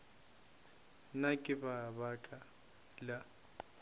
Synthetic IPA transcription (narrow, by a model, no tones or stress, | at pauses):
nakʼɪbaβakʼa | la